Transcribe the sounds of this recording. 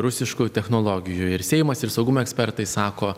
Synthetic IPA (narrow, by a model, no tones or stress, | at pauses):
ɾʊsʲɪʃkujt̪ʲɛxnoːlˠoːɡʲɪjʊɪɾsʲɛɪmɐsɪɾsɐʊɡʊmoːɛksʲpʲɛɾt̪ɐɪsɑːkoː